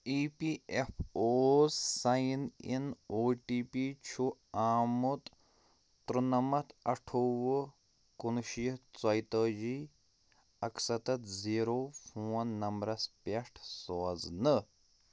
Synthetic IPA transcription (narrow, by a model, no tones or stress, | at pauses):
iːpiepʰoːzsɐjnḭnoːʈiːpit͡ʃʰuaːmut̪ | t̪ɾunɐmɐt̪ɐʈʰoʋə | kunʃit͡sɐjt̪əːd͡ʒiː | ɐksɐt̪ɐt̪ziːɾoːpʰoːnːɐmbɾɐspeʂʈʰsɔːznɨ